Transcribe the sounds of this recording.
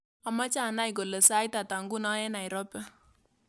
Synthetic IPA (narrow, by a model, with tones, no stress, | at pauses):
a˨ma˦t͡ʃa˦˨na˦ɪ˨ɡo˨lə˨sa˦i˦ta˨ta˨ŋɡu˦nɔ˦jɛ˦na˨ɪ˨ɾɔ˦pɛ˦